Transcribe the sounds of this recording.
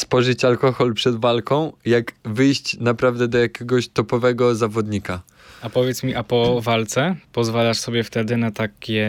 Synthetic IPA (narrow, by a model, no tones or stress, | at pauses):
spɔʐɘt͡ɕalkɔxɔlpʂɛd̪valkɔ̃w̃jakvɘjɕt͡ɕnapɾavd̪ɛd̪ɔjakʲɛɡɔɕt̪ɔpɔvɛɡɔzavɔd̪ɲika | apɔvʲjɛt̪smʲiʔapɔvalt̪sɛpɔzvalaʂsɔbʲjɛft̪ɛd̪ɘnat̪akʲɛ